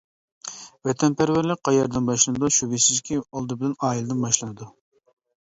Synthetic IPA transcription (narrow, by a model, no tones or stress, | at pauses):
vɛt̪ʰɛnpʰæɾwæɾlɪk̚ʲqɑjɛɾd̪ɨnbɑʃlˠɨnɨd̪uʃuvisizkʲʰiɑlˠd̪ɨbɪlɛnɑːjilˠɨd̪ɨnbɑʃlˠɨnɨd̪u